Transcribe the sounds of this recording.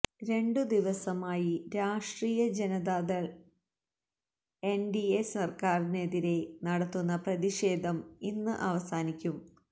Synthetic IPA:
ɾe̞ɳɖɨd̪iʋɐsɐmaːjiɾaːʂʈriːjɐd͡ʑenɐd̪aːðɐɭ | e̞nɖiesɐrkaːrine̞ðiɾe̞nɐɽɐt̪ːunːɐprɐðiɕe̞ːd̪ʱɐminːɨʔɐʋɐsaːnikʲːum

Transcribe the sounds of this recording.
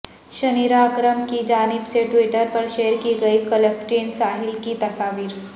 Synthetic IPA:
ɕəniɾakɾəmkiːd͡ʑanibseʈʋiʈəɾpəɾɕeɦɾkiːɡəiːkələfʈensaɦilkiːt̪əsaʋiːɾ

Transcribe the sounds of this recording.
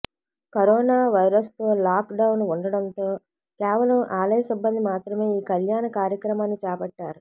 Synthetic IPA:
kɐɾɔːnaːʋɐjɾɐst̪o̞ːlaːkɖɐwnuɳɖɐɽɐnt̪o̞ː | kɛːʋɐlɐmʔaːlɐjɐsibːɐnd̪imaːt̪ɾɐme̞ːiːkɐljaːnɐkaːɾjɐkɾɐmaːnːit͡ʃɛːpɐʈːaːɾu

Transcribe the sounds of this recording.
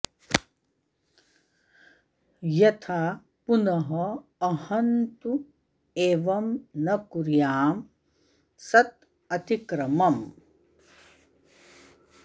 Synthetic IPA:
jɐt̪ʰaː | punɐɦɐːhɐnt̪u | eːʋɐmnɐkuɾjaːm | sɐt̪ | ɐt̪ikɾɐmɐm

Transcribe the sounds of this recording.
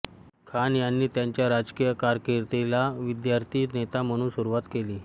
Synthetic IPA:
kʰanjanːiːt̪jaɲt͡ɕjaɾad͡zkijəkaɾkeɾt̪elaʋid̪jaɾt̪ʰiːnet̪am̤əɽ̃uːnsuɾuʋat̪keliː

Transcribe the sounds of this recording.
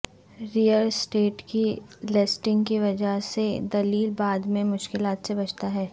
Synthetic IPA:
ɾijəlsʈeːʈkilɛsʈɪ̃ŋɡkiʋɐd͡ʒəɦsed̪ɐliːlbaːd̪mẽmʊʃkɪlaːt̪sebɐt͡ʃt̪aɦɛː

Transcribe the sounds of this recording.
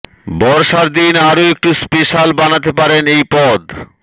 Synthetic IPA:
bɔɾʃaɾd̪inaɾoek̚ʈuspeʃalbanat̪̬epaɾenejpɔd̪

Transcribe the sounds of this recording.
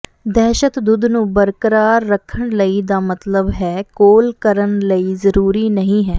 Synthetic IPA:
d̪ɛːʃət̪d̪ud̪nũːbəɾkəɾaːɾːəkʰːəɳləiːd̪aːmət̪ləbɦɛːkoːlkəɾəɳləiːzəɾuːɾiːnəɦĩːɦɛː

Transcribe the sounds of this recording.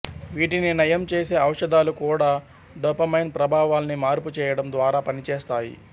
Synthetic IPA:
ʋiːʈininɐjɐmt͡ʃeːse̞ːɐwɐʂɐd̪aːlukuːɽaː | ɖopɐmɐjnpɾɐbʱaːʋaːlɐnimaːɾput͡ʃɛːjɐɽɐmd̪ʋaːɾaːpɐnit͡ʃɛːst̪aːjḭ

